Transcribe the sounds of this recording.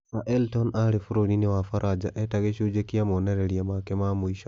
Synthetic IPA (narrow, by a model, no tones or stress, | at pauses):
saʔeltonaɾifuɾoniniwafaɾʔad͡ʒaʔetaɣeʃud͡ʒekiamoneɾeɾiamakemamuiʃo